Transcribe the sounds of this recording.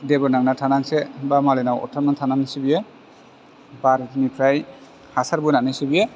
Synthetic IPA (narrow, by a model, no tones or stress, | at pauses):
debɔɾnaŋnatʰanansebamalenawɔ̰tʰaɾmatʰananisibije | baɾitʰnipʰɾaj | hasaɾbunanajsibie